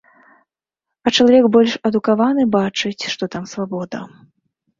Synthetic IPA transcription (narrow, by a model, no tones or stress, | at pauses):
ɐt͡ʂɐlˠavʲɛkbɔlʲʂɐd̪ukavanɨbat͡ʂɨt͡sʲʂt̪ɔt̪amsvabɔd̪ɐ̰